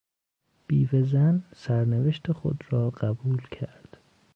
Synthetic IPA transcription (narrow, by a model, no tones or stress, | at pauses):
b̥iːvezænsæɾneveʃt̪ʰexo̰d̪ɾɒːɢ̥æbuːlcʰæɾd̪̥